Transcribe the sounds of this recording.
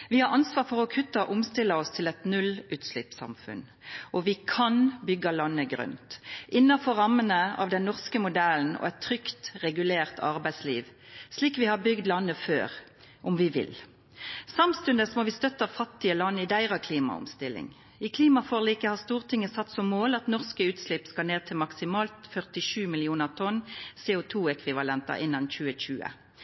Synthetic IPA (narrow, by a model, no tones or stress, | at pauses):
ʋɪhɑɾɑnsʋɑːʁfɔʁɔkʰʉt̪ːəʔʊmst̪ɪlːəɔst̪ʰɪlɛt̪nʉlʉːt̪slɪpsɑ̰mfʉ̰n | ʔɔʋɪkʰɑnbʏɡːəlɑnːəɡɾœ̰nt̪ʔɪnːɑfɔɾɑmːənəɑ̰ʋd̪ɛnːɔʁskəmʊd̪ɛln̩ɔ̰ɛt̪ʰːʁʏkt̪ʁɛɡʉleːʁt̪ʰɑʁbæɪsliːʋsliːkʋɪhɑbʏɡd̪lɑnːəfø̰ːʁ | ʔʊmʋɪʋɪ̰l | sɑmst̪ʉnd̪əsɔmɔʋɪst̪œt̪ːɑʋfɑt̪ːɪəlɑnːɪd̪æɪʁɑkʰliːmɑ̰ʊ̰mst̪ɪlːɪ̰ŋ | ɪkʰliːmɑfoːʁliːkəhɑʁst̪uːʁt̪ʰɪŋːəsɑt̪ːsɔmːoːlɑt̪nɔʁskəʉːt̪slɪpskɑlneːt̪ʰɪlmɑksɪmɑːlt̪fœʁt̪ɪʃʉːmɪlɪuːnəʁt̪ʰɔnseːʊt̪ʰuːɛkʰʋɪʋɑlɛnt̪ɑ̰ʔɪnːɑnçʉːəc͡çʉːə̰